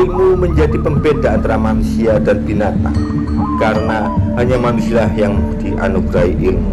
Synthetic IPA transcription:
ilmuməɲd͡ʒadipəmbedaːnt̪aɾamanusiadanb̥inat̪a̰ŋ | kaɾəna | ɦaɲamanusilahjaŋd̥iʔa̰nuɡɾaɦiʔilmu

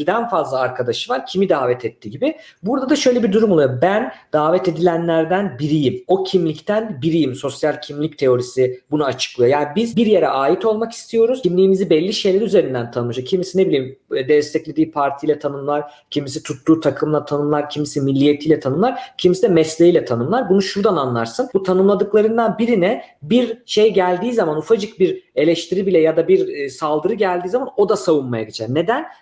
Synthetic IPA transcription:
d̪ænfazlˠaaɾkʰad̪aʃɯvaɾcʰimid̪aːvɛt̪ʰɛt̪ʰːiːɟibɪbuɾd̪ad̪aʃø̞jlʲebiɾd̪uɾumolˠujobænd̪̥aːvɛt̪e̞d̪ilʲænlʲæɾd̪ænbiɾijimo̞cʰimlʲict̪ʰænbiɾijimso̞sjalʲcʰimlʲic̚t̪ʰe̞o̞ɾisibunuat͡ʃʰɯ̥klˠɯjo̞jaːnibizbiɾje̞ɾɛ̰ʔaːjit̪ʰo̞lˠmaki̥st̪ʰijo̞ɾuzimlʲiːmizibɛlʲːiʃe̞jlʲeɾiyze̞ɾind̪ænt̪ʰanɯʃocʰimisine̞bilʲijimd̪ɛst̪ʰɛclʲe̞d̪iːpʰaɾt̪ʰijlʲˠɛt̪ʰanɯmlˠaɾ̥ | cʰimisit̪ʰut̪ːuːt̪ʰakʰɯmlˠat̪ʰanɯmlˠaɾcʰimisimilʲːijet̪ʰijlʲɛt̪ʰanɯmlˠaɾcʰimisid̪ɛmɛslʲeijlʲɛt̪ʰanɯmlˠaɾbunuʃuɾd̪ananlˠa̰ɾsɯnbut̪ʰanɯmlˠad̪ɯklˠaɾɯnd̪anbiɾinɛbiɾʃe̞jɟælʲd̪iːzamanufad͡ʒɯk̚biɾe̞lʲɛʃt̪ʰiɾibilʲɛjad̪abiɾsalˠd̪ɯɾɯɟælʲd̪iːzamano̞d̪asavunmajaɟit͡ʃʰɛɾne̞d̪æn

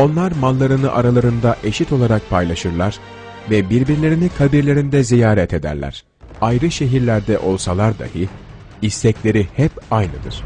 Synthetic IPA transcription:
o̞nlˠaɾmalˠːaɾɯnɯʔaɾalˠaɾɯnd̪aʔe̞ʃit̪ʰo̞lˠaɾak̚pʰajlˠaʃɯɾlˠaɾ̥ | vɛbiɾbiɾlʲe̞ɾinikʰabiɾlʲe̞ɾind̪ɛzijaːɾɛt̪ʰe̞d̪æ̰ɾlʲæ̰ɾ̥ | ajɾɯʃe̞ɦiɾlʲæɾd̪ɛʔo̞lˠsalˠaɾd̪a̰hɯ | ist̪ɛclʲe̞ɾihɛpajnɯd̪ɯ̰ɾ̥

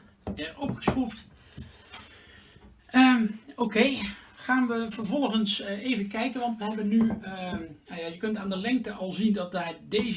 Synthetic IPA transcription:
ɛʔɔpχə̥sχuft | əːokejχaːnʋəvəɹvɔlˠəχənsejvənkɛjkənʋɑntʋəɦɛbəny | najaːjəkɵntaːndəlɛŋk̚təʔɑlˠzindɑt̚daːɹdejz

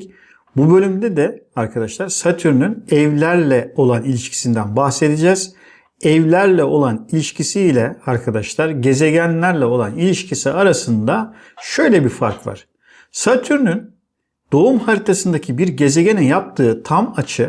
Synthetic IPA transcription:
bubø̞lʲymd̪ɛd̪ɛaɾkʰad̪aʃlˠaɾsat̪ʰyɾnynɛvlʲæɾlʲɛo̞lˠanilʲiʃcʰi̥sind̪ænbaxse̞d̪id͡ʒɛz̥ | ɛvlʲæɾlʲɛo̞lˠanilʲiʃcʰisiːlʲɛaɾkʰad̪aʃlˠaɾɟe̞ze̞ɟænlʲæɾlʲɛo̞lˠanilʲiʃcʰisiaɾasɯnd̪a | ʃø̞jlʲɛbiɾfa̰ɾkva̰ɾ̥ | sat̪ʰyɾnyn | d̪̥o̞umhaɾit̪ʰasɯnd̪acʰibiɾɟe̞ze̞ɟeninjap̚t̪ʰɯːt̪ʰamat͡ʃʰɯ

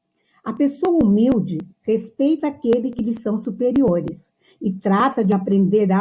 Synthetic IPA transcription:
ɐpesoɐumiwd͡ʒɪhespejt̪ɐakelɪkɪlɪsɐ̃w̃supeɾioɾɪs | ɪt̪ɾat̪ɐd͡ʒɪapɾẽnd̪eɾd̪a

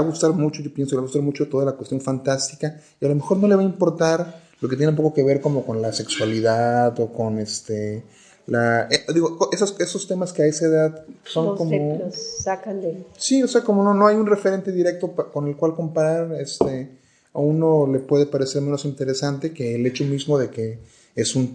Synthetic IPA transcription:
βaɣust̪aɾmut͡ʃo̞ʝopjensokeaɣust̪aɾmut͡ʃot̪o̞ðalakwest̪jo̞ɱfant̪ast̪ikaialo̞me̞xo̞ɾno̞le̞βaimpo̞ɾt̪aɾ | loke̞t̪jenpokoke̞β̞e̞ɾko̞mo̞ko̞nlase̞kswaliðaðo̞ko̞nest̪e | laed̪iɣokoʔesase̞sost̪e̞maskeaesaeðaðso̞ŋkomoakand̪esio̞se̞ako̞mo̞no̞no̞ajunre̞fe̞ɾe̞nt̪e̞ðiɾe̞k̚t̪o̞pko̞ne̞lkwalko̞mpaɾaɾest̪e | auno̞le̞pwe̞ðepaɾe̞se̞ɾmeno̞sint̪e̞ɾe̞sant̪e̞ke̞ːle̞t͡ʃo̞mizmo̞ðe̞ke̞ | esun

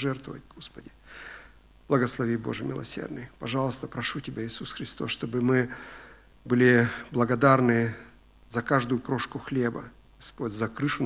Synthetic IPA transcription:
ʐɛrt̪vəvət̚ʲɡospədʲɪ | b̥lˠɐɡəslˠɐvʲibo̞ʐɨmʲɪ̰lˠɐ̰sʲḛrd̪nɨjpɐʐɑlˠəst̪əpɾɐʂutʲɪbʲaɪsusxɾʲɪst̪o̞sʂt̪o̞bɨmɨ | bɨlʲɪblˠɐɡɐd̪arnɨ | zɐkaʐd̪ʊjʊkɾoʂkʊxlʲebə̰ | ɡ̥ɐspo̞dʲzɐkɾɨʂʊn

